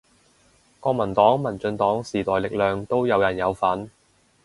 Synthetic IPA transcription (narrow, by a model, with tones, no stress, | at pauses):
kɔː˧k̚mɐ˨˩nt̪ɔː˨˥ŋmɐ˨˩nt͡ʃɵ˧nt̪ɔː˨˥ŋsiː˨˩t̪ɔː˨jlɪ˨k̚lœː˨˧ŋt̪o˥wjɐ˨˧wjɐ˨˩njɐ˨˧wfɐ˨˥n